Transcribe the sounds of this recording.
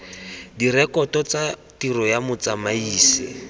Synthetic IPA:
dirɛkɔtɔt͡satiɾɔjamʊt͡samaiːsɪ̰

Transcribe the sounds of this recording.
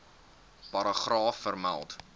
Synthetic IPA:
pɐɾəχrɑːfːərmæ̰lˠt

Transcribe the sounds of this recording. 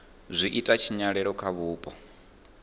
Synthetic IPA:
zʷiʔitʼat͡ʃʰiɲaɺɛɺɔkʰaβuːpʼɔ

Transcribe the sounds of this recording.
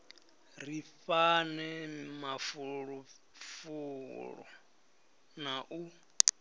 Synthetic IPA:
rifanɛmafuɺu | fuɺɔ̰ | naʔu

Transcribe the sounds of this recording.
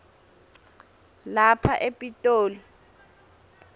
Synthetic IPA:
lapʰaʔepʼitʼoːlɔ

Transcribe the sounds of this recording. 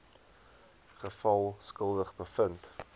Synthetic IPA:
χəfɐlˠskəlˠdəχbəfənt

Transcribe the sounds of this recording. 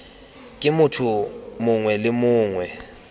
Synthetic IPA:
kʼɪmʊtʰumʊŋwɛlɪmʊːŋwɛ

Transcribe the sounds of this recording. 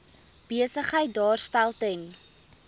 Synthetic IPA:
b̥iəsəχɦəjt̚dɑːrstælˠtəŋ

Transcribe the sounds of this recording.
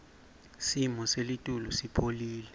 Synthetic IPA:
simɔselitʼulusipʰoliːlɛ

